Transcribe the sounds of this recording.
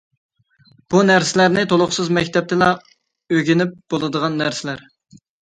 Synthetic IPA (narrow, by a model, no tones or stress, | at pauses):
b̥unæɾsɪlæɾnɪt̪ʰolˠʊχsɨzmɛkʲt̪ʰɛp̚t̪ʰɪlɑ | øɡʲinɪp̚b̥olˠɨd̪əʁɑnːæɾsɪlæɾ